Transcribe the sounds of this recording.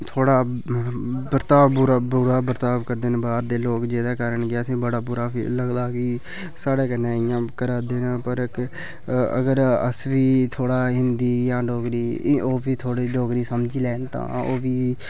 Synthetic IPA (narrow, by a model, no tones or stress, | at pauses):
t̪ʰoːɽaː | bəɾt̪aːbbʊɾaːbʊɾaːbəɾt̪aːbkəɾd̪eːnbaːɾd̪eːloːkd͡ʒeːd̪aːkaːɾəɳɡaːəsĩːbəɽaːbʊɾaːḭləɡd̪aːɡiː | saːɽeːkənẽːɪjãːkəɾaːd̪eːneːpəɾk | ə̰ɡəɾə̰sʋiːt̪ʰoːɽaːɦɪnd̪iːjãːɖoːkɾiːoːbiːt̪ʰoːɽiːɖoːkɾiːsəmd͡ʒiːlɛːnt̪ã̰ːo̰ːʋiː